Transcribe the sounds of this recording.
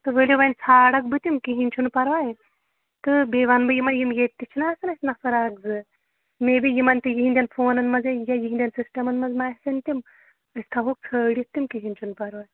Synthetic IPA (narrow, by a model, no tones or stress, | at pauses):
t̪ɨʋelʲjiʋɐnʲt͡sʰaːɽɐk̚bɨt̪imkiɦinʲt͡ʃʰunpɐɾʋaːj | t̪ɨbeʋanbɨjimɐnjimjet̪ːit͡ʃʰinaːsɨnɐsʲnɐfɐɾaːɡ̚zɨ | mebijimɐnʲt̪ijiɦind̪ʲjanfoːnɐnmɐd͡zejajiɦinʲd̪ʲansisʈɐmɐnmɐd͡zmaːɦsɨnʲt̪ʲim | əst̪ʰaɦok̚t͡sʰəːɽit̪ːimkiɦinʲt͡ʃʰunpɐɾʋaːj